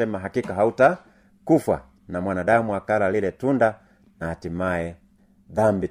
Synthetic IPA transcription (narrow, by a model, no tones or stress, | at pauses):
ɛmaɦakikaɦauta | kufwa̰ | namwanaɗamuakalalilɛtunda | nahatimaɛ | ðambi